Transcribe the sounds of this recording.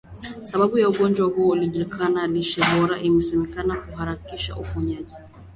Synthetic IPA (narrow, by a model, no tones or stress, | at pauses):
saɓaɓujauɠɔnd͡ʒwahuɔuliʄulikʰanaliʃɛbɔɾaʔimɛsɛmɛkanakuhaɾakiʃa̰ʔufuɲaʄi